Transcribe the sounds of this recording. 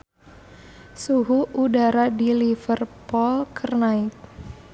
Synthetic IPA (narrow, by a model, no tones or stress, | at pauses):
suɦuʔudaɾadilifərpulkʰərnaɪk̚